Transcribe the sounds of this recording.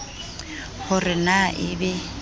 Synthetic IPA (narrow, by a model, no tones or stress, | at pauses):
hʊrɪnaʔɪbɛ